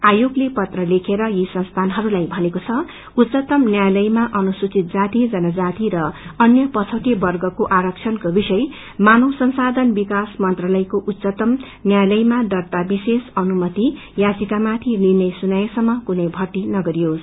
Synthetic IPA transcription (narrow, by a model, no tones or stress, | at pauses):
ajoɡlepʌt̪rʌlekʰeɾʌjisʌnst̪ʰanɦʌɾulajbʱʌnekot͡sʰʌ | ut̪ːt͡sʌt̪ʌmnjajlʌjmaʔʌnusut͡sit̪̚d͡zat̪id͡zʌnʌd͡zat̪iɾʌʌnjʌpʌt͡sʰʌʈibʌrɡʌkoʔaɾʌk̚t͡sʰʌnkobisʌj | manosʌnsad̪ʱʌnbikasmʌnt̪ralʌjkoʔut̪ːsʌt̪ʌm | njajlʌjmaɖʌrt̪abisesʌnumʌt̪i | jad͡zikamat̪ʰininʌjsunʌjʌsʌmːʌkunʌjbʱʌʈːinʌɡʌɾijos